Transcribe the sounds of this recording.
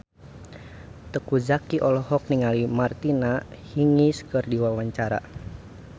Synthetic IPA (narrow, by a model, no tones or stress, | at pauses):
t̪əkuzakiʔɔlɔhɔk̚niŋalimart̪inahiŋiskərdiwawaɲt͡ʃaɾa̰